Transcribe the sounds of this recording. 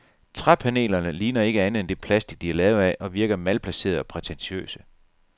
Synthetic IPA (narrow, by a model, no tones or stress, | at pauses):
t͡sʰʁapʰæne̝̰ːlɐnəliːnɐe̝ɡ̥əænð̩ˠend̥e̝pʰlæsd̥iɡ̥̚d̥iæɐlɛːʊæʔɒ̽ʋiɐɡ̥ɐmælpʰlæse̝̰ːɐðˠɒ̽pʰʁɛt͡sʰenɕø̰ːsə̥